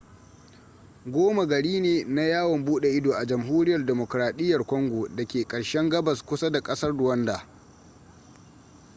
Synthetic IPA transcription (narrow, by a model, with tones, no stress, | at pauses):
ɡʷoː˦ma˨ɡɐ˨ɽiː˦neː˨na˦jaː˦wɐ˨mbuː˦ɗe˨ʔɪ˦doː˨ʔa˨d͡ʒɐ˨mɦuː˦ɾɪ˦jɐ˨rdɛ˨mo˨kɾaː˨ɗɪ˦jːɐ˨rkʷɔ˦ŋɡʷoː˨dɐ˨kʲeː˨kʼɐ˨ɽʃɛ˦ŋɡɐ˦bɐ˨skʷʊ˦sa˦da˨kʼɐ˦sɐ˦rdʊ˨wɐ˦ndaː˨